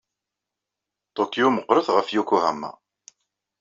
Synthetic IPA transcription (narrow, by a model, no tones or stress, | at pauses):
t̪ˤokːijuməqːɾˤəθʁəfjukuhæmːa̰